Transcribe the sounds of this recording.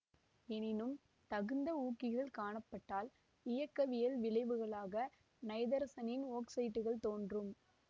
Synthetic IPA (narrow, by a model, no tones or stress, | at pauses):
ɛnɪnɯm | t̪ɐɣɯnd̪ɐuːkːɪɣɐɭkaːɳɐpːɐʈːaːl | ɪjɐkːɐʋɪjɐlʋɪɭɐɪʋɯɣɐɭaːɣɐ | nɐɪðɐɾɐsɐnɪnoːksɐɪʈːɯɣɐɭt̪oːndrɯm